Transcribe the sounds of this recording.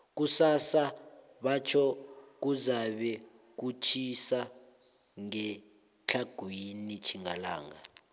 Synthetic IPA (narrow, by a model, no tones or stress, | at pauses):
k̬usasa | ɓat͡ʃʰɔk̬uzaɓɛ | k̬ut͡ʃʰisa | ŋɛ | t͡ɬʰaɡ̥ʱwinit͡ʃʰiŋala̰ːŋa